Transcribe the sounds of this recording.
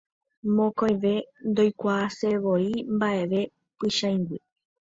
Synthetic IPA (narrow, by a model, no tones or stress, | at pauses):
mõkõj̃ʋe̞nd̪ojkʷaːseʋoimbaʔe̞ʋe | pɨʃãjŋɡɨ